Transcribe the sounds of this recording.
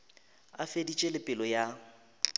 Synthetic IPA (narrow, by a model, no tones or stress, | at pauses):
a̰fedit͡ʃʼelɪpʼɪlɔja